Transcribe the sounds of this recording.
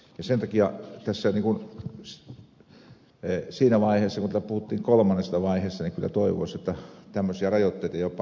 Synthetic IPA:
jɑsent̪ɑkiɑt̪æsːæniŋkun | siːnæʋɑiheːsːɑkunææpuhut̪ːiːŋkolmɑnːest̪ɑʋɑiheːsːɑniŋkylːˑæ̰t̪oiʋo̰ˑsjot̪ːɑt̪æmːøsiɑrɑjot̪ːeˑit̪ɑijopp

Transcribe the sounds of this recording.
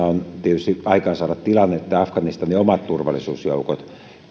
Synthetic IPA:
ɑont̪iet̪yst̪iɑikɑːnsɑːdɑt̪t̪ilɑnːeet̪ːæɑfkɑnist̪ɑniomɑt̪t̪urʋɑ̰lˑisuːsjo̰ukot̪

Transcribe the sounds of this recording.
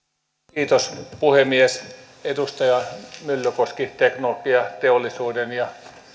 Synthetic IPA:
iːt̪ospuhemies | ed̪ust̪ɑjɑmylːøkoskit̪eknolokiɑt̪eolːˑisuːdenjɑ

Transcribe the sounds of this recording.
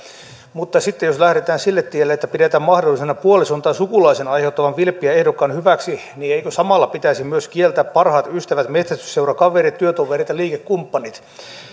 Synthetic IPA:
mut̪ːɑsit̪ːejoslæhɾet̪æːnsilːet̪ːielːeet̪ːæpidet̪æːmmɑhdolːˑisenɑpuolisunt̪ɑːnsukulɑisenɑjheut̪ːɑʋɑnʋilpːˑiæehdokːɑnhyʋæksi | nieikøsɑmɑlːɑpit̪æisimyøskielt̪æːppɑrhɑːt̪yst̪æʋæt̪met̪sæst̪y̥seurɑkɑʋerit̪t̪yøt̪oʋerit̪jɑliːkekkumpːɑnit̪

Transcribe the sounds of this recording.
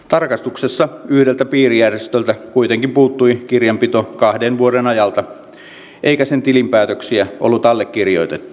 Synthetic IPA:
t̪ɑrkɑst̪uksesːɑyhdelt̪æpiːrijærjest̪ølt̪ækuit̪eŋkimpuːt̪ːuikirjɑmpit̪o̞kɑhdenʋuoɾenɑjɑlt̪ɑ | ʔeikæsent̪ilimpæːt̪øksiæʔolːut̪ɑlːekːirjo̞̰jt̪et̪ːu̥

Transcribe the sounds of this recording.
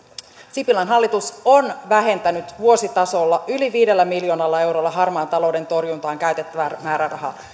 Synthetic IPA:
sipilɑnɦɑlːit̪uso̞nʋæɦe̞nt̪ænyt̪ʋuo̞sit̪ɑso̞lːɑʔyliʋiːde̞lːæmiljo̞ːnɑlːɑe̞wɾo̞lːɑɦɑrmɑːnt̪ɑlo̞ːwde̞nt̪o̞rjunt̪ɑːŋkæyt̪e̞t̪ːæʋæmæːɾærɑɦɑ

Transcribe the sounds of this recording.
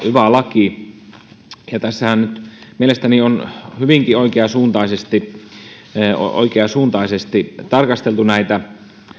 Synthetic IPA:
yʋælɑki | jɑt̪æsːæhænnyt̪mielest̪ænionhyʋiŋkioikeɑsuːnt̪ɑˑisest̪i | o̰o̰ikeɑsuːnt̪ɑˑisest̪it̪ɑrkɑst̪elt̪unæit̪æ

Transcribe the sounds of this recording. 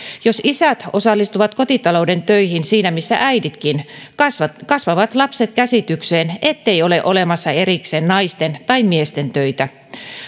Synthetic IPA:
josisæt̪o̰sɑlːist̪uʋɑt̪kot̪it̪ɑloudent̪øihinsiːnæmisːæ̰ʔæidit̪kinskɑsʋɑʋɑt̪lɑpset̪̚kæsit̪ykseːnet̪ːejoleʔolemɑsːɑeɾikseːnnɑist̪ent̪ɑimmiest̪ent̪øit̪æ

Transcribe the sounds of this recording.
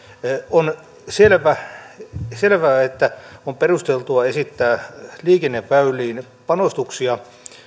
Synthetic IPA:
on | selʋæ | selʋæːet̪ːæomperust̪elt̪uɑesit̪ːæːliːkenːeʋʋæylːˑiːn | pɑnost̪uksiɑ

